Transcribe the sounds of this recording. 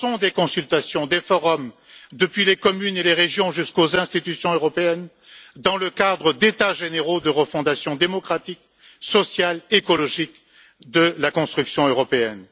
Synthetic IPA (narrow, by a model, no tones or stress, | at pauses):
sɔ̃d̪ekɔ̃sylt̪asjɔ̃d̪efɔʁɔm | d̪əpɥilekɔmyneleʁeʒjɔ̃ʒyskozɛ̃st̪it̪ysjɔ̃øʁɔpeɛn | d̪ɑ̃ləkad̪ʁəd̪et̪aʒeneʁod̪əʁəfɔ̃d̪asjɔ̃d̪emɔkχat̪ik̚ | sɔsjalekɔlɔʒik | d̪əlakɔ̃st̪χyksjɔ̃øʁɔpeɛn